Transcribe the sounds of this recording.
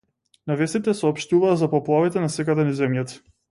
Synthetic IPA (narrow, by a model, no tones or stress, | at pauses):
navɛst̪it̪ɛsɔɔpʃt̪uvaːzapɔplˠavit̪ɛnasɛkad̪ɛnizɛmjat̪